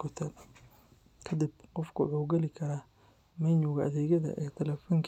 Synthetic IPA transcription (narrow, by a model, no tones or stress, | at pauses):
kʰʊt̪ʰɐ | kʰɐd̪ɪbqɔfkʰʊʕuːɡɛlɪkʰɐɾaː | mɛnʊɣɐʔɐ̰ðɛːɣɐðɐ̰ʔɛːt̪ʰɐlɛfɔŋkʰ